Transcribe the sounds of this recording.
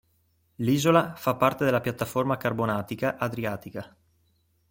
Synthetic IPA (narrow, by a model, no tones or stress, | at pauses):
liːzolafapːart̪ed̪elapjat̪ːaformakarbonaːt̪ikaʔad̪ɾiaːt̪ika